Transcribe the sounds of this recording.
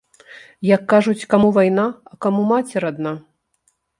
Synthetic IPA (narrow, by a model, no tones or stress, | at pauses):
jɐkːaʐut͡sʲkamuvajnaɐkamumat͡sʲɛɾad̪na